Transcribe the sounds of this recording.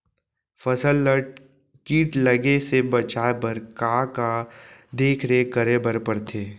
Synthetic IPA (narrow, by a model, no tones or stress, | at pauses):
fəsəlːəʈ̚ | kiːʈləɡesebɐt͡ʃaːebəɾkaːkad̪eːkʰɾekəɾebəɾpəɾt̪ʰeː